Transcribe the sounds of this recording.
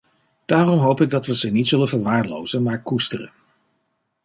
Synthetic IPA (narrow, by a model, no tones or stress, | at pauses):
d̥aːrɔmɦowpɪɡ̚dɑtʋəzənitsɵlənvəɹʋaːɹlo̰wzənmaːɹkustərə̰n